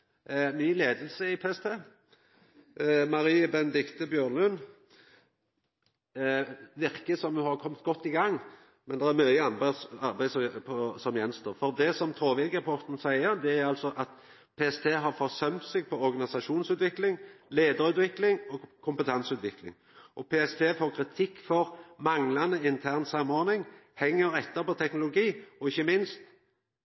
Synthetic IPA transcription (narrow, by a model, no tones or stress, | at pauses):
nyːleːd̪əlsəɪpʰeːɛst̪ʰeː | mɑɾiːəbɛnəd̪ɪkt̪əbjøːʁnlʉn | ʋɪʁkəsɔmhɑɾkʰɔmt̪̚ɡɔt̪ːɪɡɑŋː | mɛnd̪ɛʁæɾmœɪəɑnbsɑɾbæɪspʰɔsɔmjɛnst̪ʰoːʁfɔʁd̪ɛsɔmt̪ʰoːʋɪlɡəɾpʰɔt̪n̩sæɪəɾd̪ɛæɾɑlsɔʔɑt̪ | pʰeːɛst̪ʰeːɦɑʁfɔʁsœmt̪sɛɡ̚pʰɔɔɾɡɑnɪsɑʃuːnsʉːt̪ʋɪklɪŋleːd̪əɾʉːt̪ʋɪklɪŋɔkʰʊmpət̪ʰɛnsʉːt̪ʋɪklɪ̰ŋ | ʔɔpʰeːɛst̪ʰeːfoːʁkʰɾɪt̪ʰɪkːfɔʁmɑŋlɑnəɪnt̪ʰæʁnsɑmːɔɾnɪŋhɛŋːəɾɛt̪ːəpɔt̪ʰɛknʊlʊɡiːɔɪçːəmɪnst̪